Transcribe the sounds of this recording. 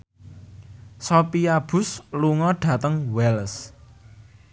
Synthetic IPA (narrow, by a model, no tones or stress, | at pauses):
sɔpiab̥ʊ̤sluŋɔɖ̥ä̤t̪əŋwɛls